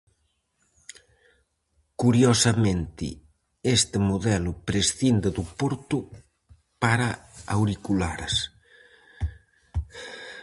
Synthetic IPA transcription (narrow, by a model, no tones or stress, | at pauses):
kuɾjosɐmẽnt̪ɪ̰ | est̪emuðɛlʊpɾesθind̪eðupoɾt̪u | paɾaawɾikula̰ɾɐs